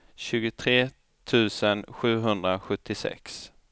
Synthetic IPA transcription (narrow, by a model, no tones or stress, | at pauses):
ɕʉ̟ːɡʊt̪ʰɾeː | t̪ʰʉ̟ːsənɧʉ̟ːɦɵnd̪ɾaɧɵt̪ʰːɪsɛ̰ks